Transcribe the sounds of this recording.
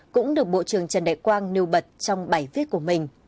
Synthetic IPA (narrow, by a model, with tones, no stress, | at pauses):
kʊ̰˧˥ŋ͡mɗɨ˨˩ək̚ɓo̰˧˨t͡ɕɨ˨˩əŋt͡ɕə˨˩nɗa̰˧˨jkwaː˧nni˧əwɓə˨˩t̚t͡ɕɔ˧wŋ͡mɓaː˧˩jvi˦˥ət̚ku˧˩əmï˨˩ŋ̟